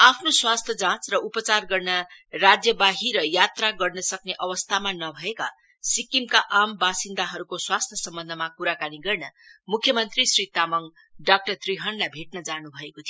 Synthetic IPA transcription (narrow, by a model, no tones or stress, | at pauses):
apʰnoswast̪ʰjʌd͡zãt͡srʌupʌt͡sarɡʌrnarad͡zjʌbaɦiɾʌjat̪raɡʌrnʌsʌkneʔʌwʌst̪ʰamanʌbʱʌeka | sikimkaʔambasind̪aɦʌɾukoswast̪ʰjʌsʌmbʌnd̪ʱʌmakuɾakaniɡʌrnʌmukʰːjʌmʌnt̪risrit̪amʌŋ | ɖak̚ʈʌrt̪riɦʌnlabʱeʈnʌd͡zanubʱʌekot̪ʰijo